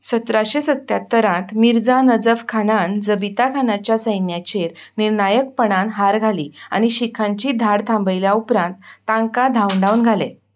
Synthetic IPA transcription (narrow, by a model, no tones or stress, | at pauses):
sət̪ɾaɕesət̪ːjat̪ːəɾãt̪miɾd͡zanəd͡zəfkʰanand͡zəbit̪akʰanat͡ɕjasəjnjat͡ɕeɾniɾnajək̚pəɳanɦaɾɡʱaliːa̰ñiɕikʰãɲt͡ɕiːd̪ʱaɽt̪ʰãmbəjljaupɾãnt̪ːãŋkad̪ʱawɳɖaunɡʱalḛ